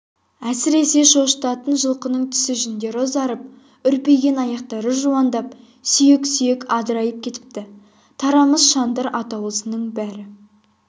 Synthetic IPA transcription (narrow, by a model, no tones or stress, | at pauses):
æsɪɾe̞se̞ʃo̞ʃt̪ɑt̪ənʒəlˠqənəɴt̪ʰʏ̥sɪʒɪnd̪e̞ɾozɑɾəp̚ | ʏɾpejɡʲe̞nɑjɑq̚t̪ɑɾəʒuwɑnd̪ɑp̚ | sʏje̞ksʏjekɑd̪əɾɑjəp̚kʲʰe̞t̪ɪ̥p̚t̪ɪ | t̪ʰɑɾɑməzʃɑnd̪əɾɑt̪ɑwəsənəɴbæɾɪ